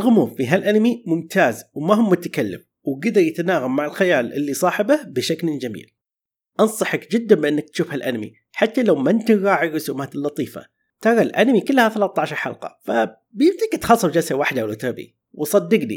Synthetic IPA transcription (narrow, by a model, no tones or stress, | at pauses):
ʔɪlɣʊmuːmfiɦalʔanmimʊmt̪ʰaːzwmaɦʊmːʊt̪akalːɪ̰m | wɡɪd̪ɑɾˤjɪt̪anaːɣamːaʕɪlxajaːlʔɪ̰lːisˤɑːħɪbahbɪʃaklɪd͡ʒamḭːl | ʔɑnsˤɑħɪkd͡ʒɪd̪ːambɪʔɪnːak̚t̪ʃuːfhalʔa̰nmḭ | ħat̪ːalawmant̪ɪɣɑːʕɪrˤːʊsuːmaːt̪ɪlːɑt̪ˤiːfa̰ | t̪ɑɾˤɑlʔa̰namikɪlːhaθalat̪ˤːɑʕʃɑɾˤħɑ̰lqɑ̰fa | bjɪmt̪ɪkɪt̪xɑsˤːɑwd͡ʒasawaħd̪awlʊt̪ɑɾbḭ | wsˤɑd̪ːɪɡnḭ